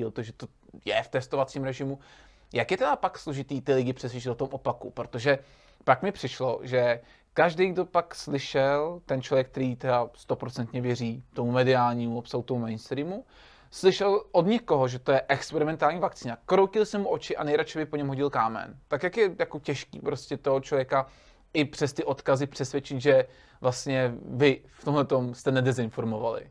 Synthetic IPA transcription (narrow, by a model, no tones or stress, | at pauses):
ilt̪oʒɛt̪o | jɛft̪ɛst̪ovat͡siːmɾɛʒɪmu | jakjɛt̪ɛdapakslo̞ʒɪt̪iːt̪ɪlɪɟɪpr̥ɛs̬ʋʲjɛt͡ʃɪt̪ot̪omʔopakṵpɾot̪o̞ʒɛ | pakmɪpr̥ɪʃlo̞ʒɛ | kaʒdejɡdo̞pakslɪʃɛlt̪ɛnt͡ʃlo̞vjɛk̚t̪ɛɾiːt̪ɛdast̪o̞pɾot͡sɛnt̪ɲɛvjɛriːt̪o̞mumɛdɪaːlɲiːmuopsaut̪omumɛjnst̪ɾiːmu | slɪʃɛlʔodɲɛko̞ɦoʒɛt̪o̞jɛʔɛkspɛɾɪmɛnt̪aːlɲiːvakt͡siːnakɾowcɪlsɛmuʔo̞t͡ʃɪʔa̰nɛjɾat͡ʃɛbɪpo̞ɲɛmɦo̞ɟɪlkaːmɛ̰nt̪akjakjɛjakocɛʃkḭːpɾo̞scɛt̪o̞ɦot͡ʃlo̞vjɛka | ʔɪpr̥ɛst̪ɪʔo̞t̪kazɪpr̥ɛsvjɛt͡ʃɪt̪ʒɛ | vlast̪ɲɛvɪft̪omɦlɛt̪o̞mst̪ɛnɛdɛzɪnfo̞ɾmo̞valɪ̰